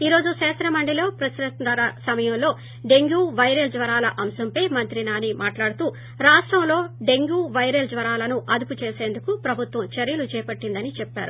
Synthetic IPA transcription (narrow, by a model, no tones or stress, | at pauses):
iːɾo̞ːd͡ʒuʃɛːsɾɐmɐɳɖilo̞ːpɾɐsɾɐt̪ɾɐɾɐsɐmɐjɐmlo̞ː | ɖe̞ŋɡuːʋɐjɾeld͡ʒʋɐɾaːlɐʔɐmsɐmpɐjmɐnt̪ɾinaːnimaːʈlaːɽut̪uː | ɾaːʂʈɾɐmlo̞ːɖe̞ŋɡuːʋɐjɾɐld͡ʒʋɐɾaːlɐnuʔɐd̪uput͡ʃe̞ːse̞ːnd̪ukupɾɐbʱut̪ʋɐmt͡ʃeɾjulut͡ʃɛːpɐʈːind̪ɐnit͡ʃɛpːa̰ːɾu